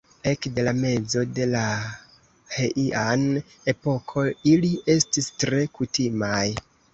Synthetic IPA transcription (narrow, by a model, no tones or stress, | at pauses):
e̞kde̞lame̞d͡zo̞de̞la | heʔiʔan | e̞po̞kʰo̞ilie̞stistɾe̞kutimaj